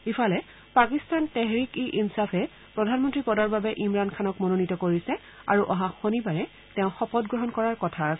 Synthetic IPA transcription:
ipʰalɛ | pakistantɛɦɹikiʔinsafʰɛ | pɹɔdʱanmɔntɹipɔdɔɹbabɛʔimɹankʰanɔkmononitɔkoɹisɛ | aɹuʔɔɦaxonibaɹɛ | tɛʊ̃xɔpɔtɡɹɔɦɔnkɔɹaɹkɔtʰas

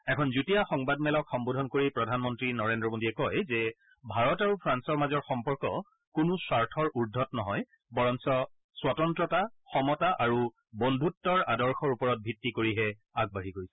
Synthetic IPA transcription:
ɛkʰɔnzutijaxɔŋbadmɛlɔkxɔmbodʱɔnkoɹipɹɔdʱanmɔntɹinɔɹendɹɔmodiɛkɔjzɛ | bʱaɹɔtaɹupʰɹansɔɹmazɔɹxɔmpɔɹkɔ | kunuswaɹtʰɔɹuɹdʱɔtnɔɦɔj | bɔɹɔnsɔ | swatɔntɹɔtaxɔmɔtaʔaɹu | bɔndʱutːɔɹadɔɹxɔɹupɔɹɔt̚bʱitːikoɹiɦɛaɡ̚baɹikoɹisɛ̥

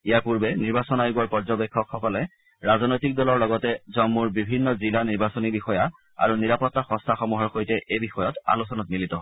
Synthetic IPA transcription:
ijaɹpuɹbɛniɹbasɔnajɡuaɹpɔɹzɔbɛkʰːɔkxɔkɔlɛ | ɹaznojtik̚dɔlɔɹlɔɡɔtɛzɔmːuɹbibʱinːɔzilaniɹbasɔnibixɔja | a̰ɹuniɹapɔtːaxɔ̃stʰaxɔmuɦɔɹxojtɛʔejbixɔjɔta̰lusɔnɔtmilitɔ

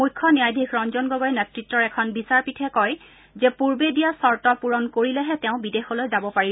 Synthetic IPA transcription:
mujkʰːɔnijajdʱikʰɹɔnzɔnɡɔɡɔjɛnɛtɹitːɔɹɛkʰɔnbisaɹpitʰɛkɔj | zɛpuɹbedijasɔɹtɔpuɹɔnkoɹilɛɦɛtɛʊ̃bidexɔlojzabɔpaɹi

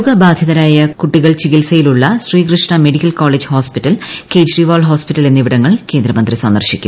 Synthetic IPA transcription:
ɣɐbaːd̪ʱjɐðɐɾaːjɐkuʈːiɣɐɭt͡ɕiɣilsɐjiluɭːɐɕriːkrɨʂɳɐme̞ɽikʲːɐlkoːɭed͡ʑhoːspitːɐlke̞ːd͡ʑriʋoːɭɦoːspitːɐlenːiʋiɽɐŋːɐɭke̞ːnd̪ɾɐmɐnd̪risɐnd̪ɐrɕikʲːṵm

